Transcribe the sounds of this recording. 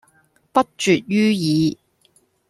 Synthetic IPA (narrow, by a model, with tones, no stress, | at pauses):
pɐ˥t̚t͡ʃyː˨t̚jyː˥jiː˨˧